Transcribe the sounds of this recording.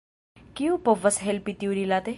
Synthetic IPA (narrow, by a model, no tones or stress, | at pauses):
kiũpɔʋəsɦelpit̪iuɾilat̪e